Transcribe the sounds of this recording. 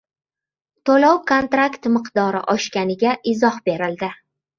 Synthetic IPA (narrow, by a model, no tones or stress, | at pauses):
t̪ʰolɒwkʰont̪ɾakt̪mɨqd̪ɒɾɪ̰ʔɒʃkʲanɪɡʲaʔɪzɒhbe̞ɾɪld̪ɪ